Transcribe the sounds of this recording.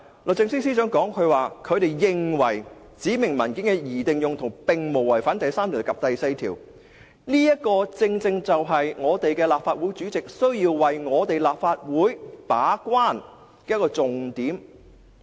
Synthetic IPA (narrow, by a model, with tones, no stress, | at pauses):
lo˨k̚t͡sɪ˧ŋsi˥ŋsi˥t͡ʃœː˨˥ŋkɔː˨˥ŋkʰɵ˧ɥwaː˨kʰɵ˨˧ɥt̪e˨jjɪ˨ŋwɐ˨˩j | t͡siː˨˥mɪ˨˩ŋmɐ˨˩nkɪ˨˥nkɛ˧jiː˨˩t̪ɪ˨ŋjʊ˨ŋt̪ʰʊ˨˩ŋpɪ˨ŋmo˨˩wɐ˨˩jfaː˨˥nt̪ɐ˨jsaː˥mt̪i˨˩kɐ˨p̚t̪ɐ˨jse˧jt̪ʰiː˨˩w | niː˥jɐ˥kɔː˧t͡sɪ˧ŋt͡sɪ˧ŋt͡sɐ˨wɦɐ˨jŋɔː˨˧t̪e˨jkɛː˧laː˨p̚faː˧t̚wuː˨˥jt͡ʃyː˨˥t͡sɪ˨k̚sɵ˥ɥjiː˧wwɐ˨jŋɔː˨˧t̪e˨jlaː˨p̚faː˧t̚wuː˨˥jpaː˨˥kwaː˥˩n | kɛː˧jkɔː˧t͡sʊ˨ŋt̪iː˨˥m